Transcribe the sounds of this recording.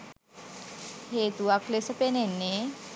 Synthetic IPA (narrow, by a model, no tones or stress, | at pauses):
het̪uakʰlesəpenenːe